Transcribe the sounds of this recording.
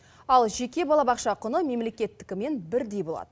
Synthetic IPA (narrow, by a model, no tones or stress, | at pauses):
ɑlˠʒe̞kʲe̞bɑlˠɑbɑqʃɑqʰʊnəme̞mle̞kʲe̞t̪ːɪ̥kʲɪme̞nbɪɾd̪e̞jbo̞lˠɑ̰d̪ə